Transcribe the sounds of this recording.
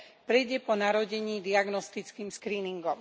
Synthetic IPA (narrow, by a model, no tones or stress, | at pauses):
pɾɛjɟɛpɔnaɾɔɟɛɲiːd̪iaɡnɔst̪it͡skiːmskɾiːniŋɡɔm